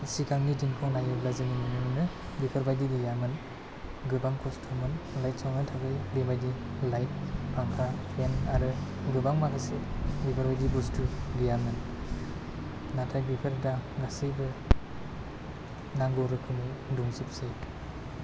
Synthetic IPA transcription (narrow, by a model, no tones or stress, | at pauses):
sikʰaŋnidiŋkʰɔŋnajɯblazɯninɯnɯnɯmnɯ | bipʰaɾbajdiɡɯjamɯn | ɡɯbaŋkʰɔstʰɔmɯnlajt̚sɔwnɯtʰaɡɯjbebajdilajt̚pʰaŋkʰapʰenaɾɯɡɯbaŋbaɡasebipʰaɾbajdibustuɡɯjamɯn | natʰajbipʰɯɾdaɡasɯbɯ | naŋɡɔɾɯkʰɯniduŋzɯpsej